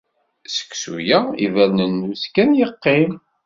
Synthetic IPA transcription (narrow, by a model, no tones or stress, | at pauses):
sə̥kːsṵjæḭvælnənːuskænjəqːim